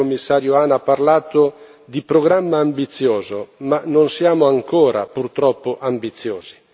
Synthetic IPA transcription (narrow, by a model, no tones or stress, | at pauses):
omːisːaːɾjoaːnapːaɾlaːt̪o | d̪ipɾoɡɾamːaːmbit̪sːjɔːzomanonsjaːmʊaŋkɔːɾa̰purt̪ɾɔpːoʔambit̪sːjoːz̥i